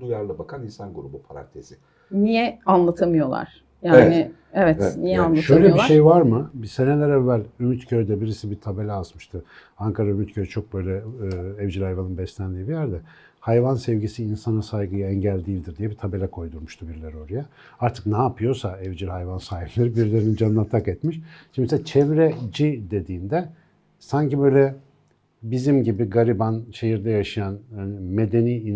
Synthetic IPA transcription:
lujaɾlˠabakʰaninsanɡuɾubupʰaɾa̰nt̪ʰez̥ɪ | nijɛanlˠat̪ʰamɯjo̞lˠa̰ɾ̥ | jaːɛnɪ | evɛtnijɛanlˠaʃø̞jlʲeobiʃaʃe̞jvaɾmɯbisenelʲɛɾɛvːælʲymyt̪cʰøɾd̪ɛbiɾisibit̪ʰabe̞lʲɛazmɯʃt̪ʰɯ | aŋkʰaɾaymyt̪cʰøɾt͡ʃʰo̞k̚bø̞jlʲɛɛvd͡ʒilʲhajvanɯnbɛslʲænd̪iːbijæɾd̪ɛ | hajvansɛvɟisiːnsanasajɡɯjaɛɲɟælʲd̪iːlʲd̪iɾd̪ijɛbit̪ʰabe̞lʲɛkʰo̞jd̪uɾmuʃt̪ʰubiɾlʲɛɾio̞ɾaja | aɾt̪ʰɯ̥knaːpʰɯjo̞saɛvd͡ʒilʲhajvansaːhiplʲeɾibiɾlʲe̞ɾinid͡ʒanːˠat̪ʰːakɛt̪miʃʃimisɛt͡ʃʰɛvɾɛd͡ʒid̪e̞d̪iːnd̪ɛ | saɲcibø̞jlʲɛ | bizimɟibiɡaɾibanʃe̞ɦiɾd̪ɛjaʃɯjanme̞d̪e̞niːin

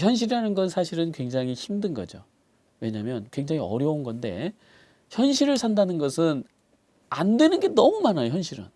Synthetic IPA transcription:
çjʌnɕ̬ʰiɾianɯnɡʌnsʰaɕʰiɾɯnkwe̞ŋd͡ʑaŋiçimdɯnɡʌ̰d͡ʑo̰ | we̞ɲamjʌnkwe̞ŋd͡ʑaŋiʌ̰ɾjʌunɡʌnde̞̰ | çjʌnɕʰiɾɯɭsʰandanɯnɡʌsʰɯn | a̰ndwe̞nɯnɡe̞nʌmumanajoçjʌnɕʰiɾɯ̰n

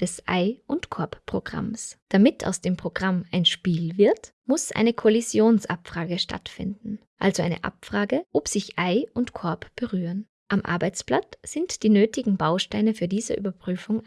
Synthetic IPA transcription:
d̥ɛsʔa̰ɪʔʊntkʰɔɐppʁ̥oɡ̥ʁa̰msd̥amɪtʰa̰ʊsd̥eːmpʁ̥oɡʁamaɪnʃpiːlvɪɐt | mʊsʔa̰ɪnəkʰolizjoːnsʔapfʁ̥aːɡəʃta̰tfɪ̰ndn̩ʔalzoaɪnə̰ʔa̰pfʁ̥aːɡəʔopz̥ɪçʔaɪʔʊntkʰɔɐpb̥əʁyːʁən | ʔamʔa̰ɐbaɪt͡splat͡sz̥ɪntd̥iːnøːtɪɡŋ̩baʊʃtaɪnəfyːɐdiːzəʔyːbɐpʁ̥yːfʊŋ

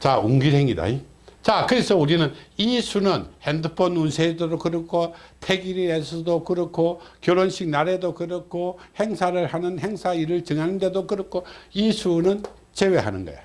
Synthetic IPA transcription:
t͡ɕauŋɡiɾɦeŋida̰i | t͡ɕakɯɾe̞sʰʌuɾinɯnisʰunɯnhendɯpʰʌnunsʰeidodokɯɾɯkʰotʰeɡiɾiesʰɯdokɯɾʌkʰokjoɾonɕʰik̚naɾe̞dokɯɾʌkʰohe̞ŋsʰaɾɯɭhanɯnhe̞ŋsʰaiɾɯɭt͡ɕɯŋɦanɯnde̞dokɯɾʌkʰoisʰunɯn | t͡ɕe̞we̞ɦa̰nɯnɡʌ̰jo̰

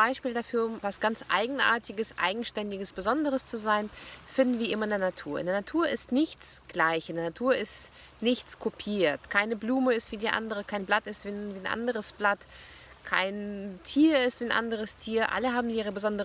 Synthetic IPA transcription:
b̥aɪʃpiːldafyːɐmvasɡ̥ant͡sʔa̰ɪɡŋ̩ʔa̰ːɐtɪɡəsʔa̰ɪɡŋ̩ʃtɛndɪɡəsb̥əzɔndəʁəst͡suzaɪnfɪndn̩viːɐʔɪmɐɪndeɐnatʰuːɐʔɪ̰ndeɛɐnatʰuːɐɪstnɪçt͡sɡ̥laɪçʔɪndeɐnatʰuːɐɪst | nɪçt͡skʰopʰiːɐtkʰaɪnəbluːməɪstv̥iːdiːʔa̰ndəʁəkʰaɪnblatɪstv̥iːviːnʔa̰ndəʁəsb̥lat | kʰa̰ɪntʰiːɐɪstv̥iːanʔa̰ndəʁ̞əstʰiːɐʔa̰ləɦaːbm̩ʔiːʁ̞əbəzɔndəʁ

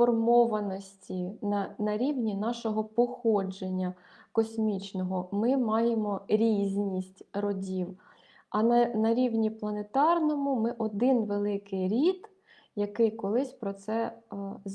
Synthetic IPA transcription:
fɔrmɔʋɐnɔsʲtʲinɐnɐɾʲiwnʲinɑʃɔɦɔpɔxɔd͡ʒenʲːɐ | kɔsʲmʲit͡ʃnɔɦɔmɪmɑjemɔɾʲizʲnʲisʲtʲɾɔdʲiw | ɐnnɐɾʲiwnʲiplˠɐnet̪ɑrnɔmʊmɪʔɔd̪ɪnʋelˠɪkɪjɾʲid̪ | jɐkɪjkɔlˠɪsʲpɾɔt̪sɛz

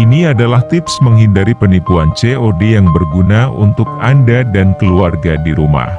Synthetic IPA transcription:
iniadalaht̪ɪpsməŋɦindaɾipənipuant͡ʃeʔodejaŋbərɡunaṵnt̪ʊk̚andadankəluarɡadiɾuma̰h

